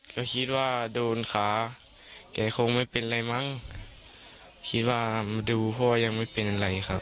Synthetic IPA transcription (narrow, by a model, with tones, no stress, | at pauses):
ka˧˩kʰi˧˥t̪̚waː˧doː˨nkʰaː˨˦ | kɛː˨˩˦kʰo˧˨ŋma˧˥˨pe˨nla˧˩jma˧˥˨ŋ | kʰi˧˥t̪̚waː˧˩mduː˨˩pʰɔ˧waː˧ja˧ŋ̚ma˧˥˨jpe˨n˨la˨˩jxʰa˧p̚